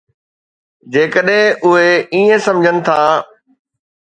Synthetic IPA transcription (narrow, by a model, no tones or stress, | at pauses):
d͡ʑeːkəɗɦẽʔʊɦeiːẽsɐ̃md͡ʑʱənɪ̆t̪ʰaː